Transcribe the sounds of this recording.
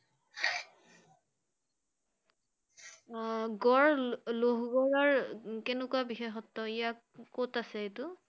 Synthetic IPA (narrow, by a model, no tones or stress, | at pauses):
ɡɔɹloɦɡɔɹɔɹkenʊkuwabixexɔtːɔijak | kotasɛetʊ